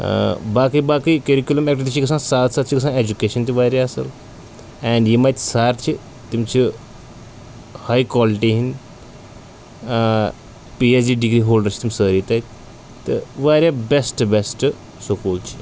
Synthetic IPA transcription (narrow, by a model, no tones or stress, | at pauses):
bakibakikeɾikʲjuləmek̚ʈit̪it͡ɕikəs̬ãnsat̪sat̪t͡ɕʰikəs̬ãned͡ʑukeʃənt̪iʋaɾjaɐsə̰l | ɛ̃ɳɖjimat̪saɾt͡ʃʰi | t̪imt͡ɕi | hajkɔliʈiɦin | piesɖiɖiɡɾiɦolɖəɾʰi̥t̪umisəɾit̪at̪ | t̪əʋaɾabesʈbesʈ | sokolt͡ɕʰi̥